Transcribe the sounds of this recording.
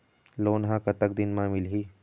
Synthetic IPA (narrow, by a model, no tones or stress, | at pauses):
loːnɦãkət̪ək̚d̪ɪnmãmɪlɦiː